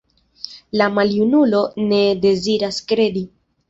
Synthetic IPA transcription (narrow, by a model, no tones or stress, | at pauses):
lamaljunulo̞ne̞de̞ziɾaskɾe̞di